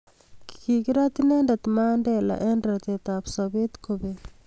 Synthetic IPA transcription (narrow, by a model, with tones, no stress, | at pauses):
ki̥ki˨ɡi˦ɾa˦t̪ine˦nda˨t̪ma˦nde˨la̰˨ʔɛ˦ndɾa˨t̪e˨t̪a˨psabe˦t̪kobe